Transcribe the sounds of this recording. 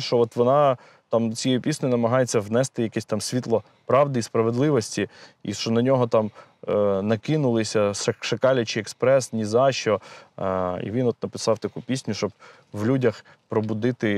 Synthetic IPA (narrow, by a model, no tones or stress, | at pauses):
ʃt͡ʃɔɔt̪ʋɔnɑ | t̪ɑmt͡sʲijɛjupʲisʲnʲʊnɐmɐɦɑjet͡sʲːɐʋnɛst̪ɪjɐkɛsʲt̪ɑmsʲʋʲit̪lˠɔ | pɾɑʋd̪ɪispɾɐʋed̪lˠɪʋɔsʲtʲiḭʃt͡ʃɔnɐnʲɔɦɔt̪ɑm | nɐkɪnʊlˠɪsʲɐʃʃɐkɑlʲɐt͡ʃɪɛkspɾɛsnʲizɑʃɔ | ḭʋʲinɔt̪̚nɐpɪsɑwt̪ɐkupʲisʲnʲʊʃt͡ʃɔb̚ | ʋlʲudʲɐx | pɾɔbʊd̪ɪt̪ɪ